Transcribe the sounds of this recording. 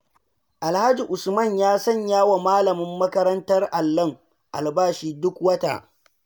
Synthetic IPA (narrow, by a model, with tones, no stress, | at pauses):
ʔa˨lha˦d͡ʒi˨ʔʊ˨smɐ˦˨ɲjaː˦sɐ˦ɲjaː˦wa˨maː˦lɐ˨mɪ˦mːɐ˦kɐ˦ɾɐ˦ntɐ˦rʔa˨lːɐ˦ŋ | ʔa̰˨lbaː˦ʃiː˦dʊ˦kwɐ˦ta̰ː˨ʔ